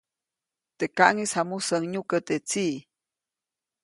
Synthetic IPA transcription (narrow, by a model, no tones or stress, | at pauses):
t̪ekaʔŋishamusəŋɲukət̪et͡si